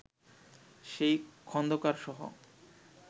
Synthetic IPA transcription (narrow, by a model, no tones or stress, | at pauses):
ʃejkʰɔnd̪okaɾʃɔɦo̰